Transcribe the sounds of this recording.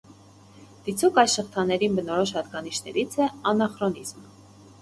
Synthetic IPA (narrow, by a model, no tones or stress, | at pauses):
d̪̥it͡sʰukɑjsʃəχt̪ʰɑnːɛɾinbənɔɾɔʃhɑt̪ɡɑniʃnɛ̰ɾit͡sʰɛɑnɑχɾɔnizm